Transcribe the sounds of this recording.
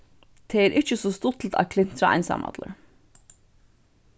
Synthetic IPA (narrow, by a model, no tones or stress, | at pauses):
t̪ʰeːɛːɾʔɪt͡ʃəsɔst̪ʊt̪ʰl̩t̪ʰa̰kʰlɪn̥t̪ɾaa̰jnsa̰mɑ̰t̪lə̰ɹ